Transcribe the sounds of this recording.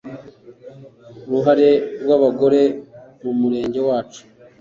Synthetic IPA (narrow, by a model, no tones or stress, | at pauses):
uɾuɦaɾe̞ɾwaβaɡo̞ɾe̞mumuɾe̞ːɲɟe̞waːt͡ʃu̥